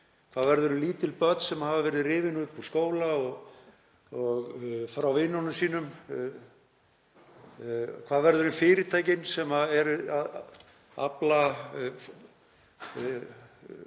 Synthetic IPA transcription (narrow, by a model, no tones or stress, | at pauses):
kʰv̥aːðvɛɾðʏɾʏliːt̪ɪlpœt̪nsɛmhavavɛːɾɪðrɪːvɪnʏhpuskoːwlaɔɣ | ɔɣfɾawvɪnːɔnʏmsiːnʏm | kʰvaːðvɛɾðʏɾʏnfɪːɾɪt̪ʰaːjcɪnsɛmaɛɾað | a̰pla